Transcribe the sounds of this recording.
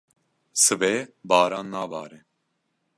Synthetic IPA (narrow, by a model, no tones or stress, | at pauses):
sɨvɛbaːɾanːaːva̰ːɾi